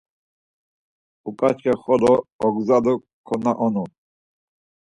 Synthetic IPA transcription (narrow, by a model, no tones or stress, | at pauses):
ukʼat͡ʃχɛχɔlɔɔɡzad̪u | kʰɔnaʔɔnu